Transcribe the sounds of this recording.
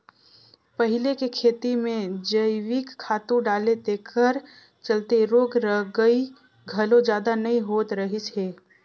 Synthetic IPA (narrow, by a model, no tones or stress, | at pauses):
pəɦɪlekekʰeːt̪imẽd͡ʒəɪwɪkʰːaːt̪ũɖaːlet̪ekʰəɾ | t͡ʃɐlt̪eɾoːɡɾəɦɡəi | ɡʱɐlõd͡ʒjaːd̪anɐĩɦoːt̪ɾɐɦisɦeː